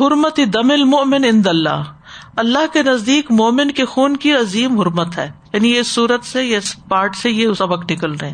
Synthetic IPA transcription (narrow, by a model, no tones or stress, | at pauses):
ɦʊɾmət̪id̪ɐmɪlmʊʔmɪnɪ̃nd̪ɐlːa̰ːɦ | ɐlːaɦkenɐzd̪iːkmoːmɪnkexuːnkiɐziːmɦʊɾmət̪ɦɛːjaːnijeɪsːuːɾət̪sejaɪspaːɾʈsejesɐbəknɪkəlɾɐɦẽː